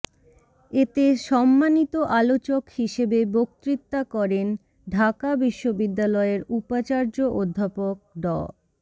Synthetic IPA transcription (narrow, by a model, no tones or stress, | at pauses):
et̪eʃɔmːanit̪oʔalot͡ɕokhiʃebebok̚t̪ɾit̪ːakɔɾen | ɖʱakabiʃːobid̪ːalɔeɾupat͡ɕaɾd͡ʑoʔod̪ʱːapok̚ɖɔ̰